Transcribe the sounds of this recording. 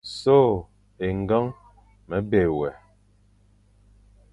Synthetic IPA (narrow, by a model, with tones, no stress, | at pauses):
so˦˨ | e˨ŋ˨ɡa˦ŋ | mɛ˨˦be˨wɛ˨